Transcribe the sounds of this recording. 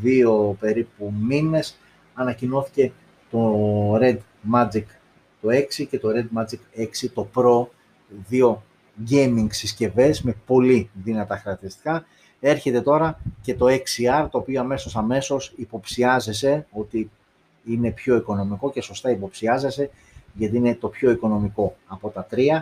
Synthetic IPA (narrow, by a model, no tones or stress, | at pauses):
ðio̞pe̞ɾipumine̞s | ɐnɐcino̞θi̥ce̞ | t̪o̞ɾe̞d̪ | mɐd͡zik | t̪o̞e̞ksice̞t̪o̞ɾe̞d̪mɐd͡zike̞ksit̪o̞pɾo̞ | ðio̞ | ɟejmiŋɡsisce̞ve̞zme̞po̞liðinɐt̪ɐxɾɐkt̪iɾist̪i̥kɐ | e̞ɾçe̞t̪e̞t̪o̞ɾɐce̞t̪o̞e̞ksiɐɾt̪o̞ːpio̞ɐme̞so̞sɐme̞so̞sipo̞psiɐze̞se̞o̞t̪i | ine̞pço̞iko̞no̞miko̞ce̞so̞st̪ɐipo̞psiɐze̞se̞ | ʝɐt̪iine̞t̪o̞pço̞iko̞no̞miko̞ɐpo̞t̪ɐt̪ɾiɐ